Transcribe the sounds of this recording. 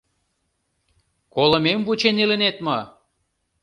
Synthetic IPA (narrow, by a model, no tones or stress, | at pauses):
kolˠə̆memvut͡ɕenelə̆net̪mɤ